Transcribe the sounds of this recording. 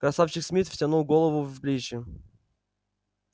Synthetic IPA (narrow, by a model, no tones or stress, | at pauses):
kɾɐsafɕɪxsmʲit̪fʲtʲɐnulˠɡolˠəvʊvblʲit͡ɕɪ